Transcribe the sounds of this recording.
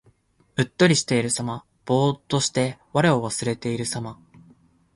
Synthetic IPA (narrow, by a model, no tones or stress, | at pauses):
ɯ̟t̪ːo̞ɾʲiɕi̥t̪e̞iɾɯ̟sama | b̥o̞ːt̪ːo̞ɕi̥t̪e̞βaɾe̞o̞βasɨɾe̞t̪e̞iɾɯ̟sama